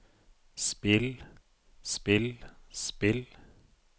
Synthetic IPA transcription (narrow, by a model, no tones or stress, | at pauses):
spɪl | spɪlspɪl